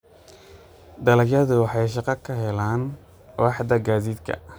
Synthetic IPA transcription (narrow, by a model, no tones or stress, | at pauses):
d̪ɐlɐɡjɐðʊwɑħɑjʃɑqɑkʰɐɦɛlaːn | wɑːħd̪ɐɡaːðiːd̪kʰɐ̰